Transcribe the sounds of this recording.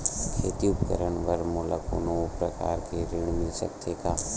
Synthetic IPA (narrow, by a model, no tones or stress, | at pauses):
kʰeːt̪iʊpkə̰ɾəɳʋəɾmʊləkʊ̰nopɾəka̰ːɾkeɾɪɳmiʃə̰k̚t̪ʰekaː